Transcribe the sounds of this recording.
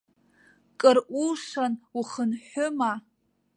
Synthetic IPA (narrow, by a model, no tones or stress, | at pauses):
kʼɨrʔʷuʂanuχənħʊma